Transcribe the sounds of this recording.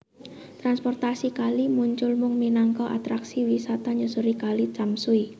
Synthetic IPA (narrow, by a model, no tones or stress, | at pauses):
t̪ɾanspɔrt̪asikalimuɲt͡ʃʊlmʊŋminaŋkɔʔa̰t̪ɾaksiwisat̪aɲd͡ʒɔsuɾikalit͡ʃamsui